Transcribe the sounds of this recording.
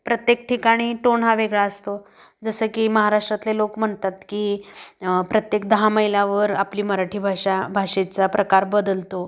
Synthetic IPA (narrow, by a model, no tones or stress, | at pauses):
pɾət̪jek̚ʈʰikaɽ̃iːʈoɳ̤ɦaʋeɡɭaəst̪o | d͡zəsəːkiːməɦaɾaʂʈɾat̪lelokm̤əɳt̪at̪kiː | pɾət̪jek̚d̪əɦaməilaʋəɾapliːməɾaʈʰiːbʱaʂabʱaʂet͡sapɾəkaɾbəd̪əlt̪o